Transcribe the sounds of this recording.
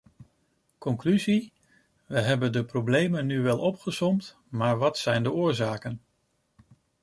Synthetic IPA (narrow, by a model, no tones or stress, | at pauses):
kɔŋklyzi | ʋəɦɛbəndəprowblejmənːyʋɛlˠʔɔpχəsɔmt | maːɹʋɑtsɛjndəʊːɹzaːkən